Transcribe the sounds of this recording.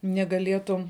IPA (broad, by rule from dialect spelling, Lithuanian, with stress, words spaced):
nʲɛɡɐˈlʲiɛtʊm